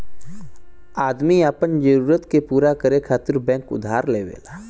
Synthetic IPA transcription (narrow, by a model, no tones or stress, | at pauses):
aːd̪miapənd͡ʒəɾuːɾət̪kepuːɾakəɾekʰaːt̪ɪɾbɛ̃ːŋkʊ̰d̪ʱaːɾleːʋḛːla